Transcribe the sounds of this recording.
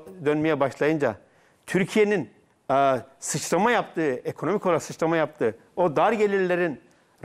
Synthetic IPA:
d̪ønmejɛbaʃlˠajɯnd͡ʒa | t̪ʰyɾcʰije̞ninː | sɯt͡ʃlˠamajap̚t̪ʰɯːekʰo̞no̞mikʰolˠasɯt͡ʃlˠamajap̚t̪ʰɯː | od̪aɾɟe̞lʲiɾlʲeɾin | ɾ

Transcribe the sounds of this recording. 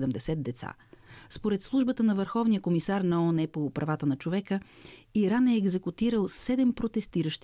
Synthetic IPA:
d̪ɛmd̪ɛsɛd̪̚d̪ɛt̪sa̰ | spoɾɛt̪slˠuʒbət̪ənɐvəɾxɔvnijəkomisaɾnɐɔnɛpopɾʔɐvat̪ənɐt͡ʃovɛkəiɾanɛːɡzɛkut̪iɾəlˠsɛd̪ɛmpɾot̪ɛst̪iɾəʃt̪

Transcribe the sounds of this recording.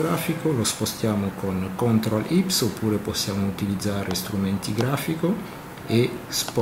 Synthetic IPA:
ɾafikolospost̪jamokoŋkont̪ɾalʔipsopːuːɾeposjamout̪ilid̪zaɾest̪ɾumẽnt̪iɡɾafiko | esp

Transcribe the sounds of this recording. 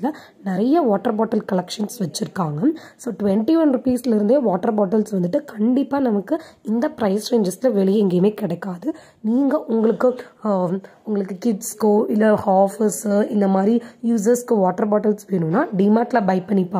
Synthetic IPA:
ɪlɐ | nɪɾɐjɐʋaːʈːɐɾbaːʈːɐlkɐɭɛkʂɐnsʋɐt͡ʃːɪɾɯkːaːŋɡɐsoːʈʊʋɛɳʈiʋɐnɾɪpiːsɪlɪɾɯnd̪eːʋaːʈːɐɾbaːʈːɐlsʋɐnd̪ɯʈːɯkɐɳɖɪpːaːnɐmɐkːɯɪnd̪ɐpɪɾɐɪst͡ʃeːɲd͡ʒɐsɪlɐʋɛɭɪjɛŋɡeːmeːkɪɽɐɪkːaːðɯ | niːŋɡɐʔʊŋɡɐɭɯkːɯ | ʊŋɡɐɭɯkːɯkɪɖskoʔɪlːɐhaːfɪsɪnd̪ɐmaːd̪ɾijuːs̬ɐɾskɯʋaːʈːɐɾbaːʈːɐlsʋeːnũnːaːɖiːmaːʈlɐbɐɪpːɐɳːɪpːaː

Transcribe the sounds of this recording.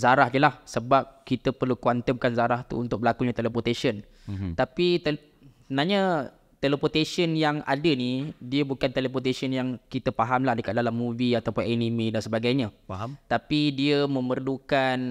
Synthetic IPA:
zaɾahɲəlahsəbap̚kit̪əpərlukwant̪əmkanzaɾaht̪ṵːnt̪ʊk̚bəlakuɲat̪eləpot̪eʃən | t̪apit̪ | sənaɲa | t̪eləpot̪esənjaŋa̰dənidiəbukant̪eləp̬ot̪esənjaŋkit̪əpaɦamlahdəkat̪̚dalamːũviat̪awpʊnenimidansəbaɡajɲãt̪apidiəmə̃mərlukan

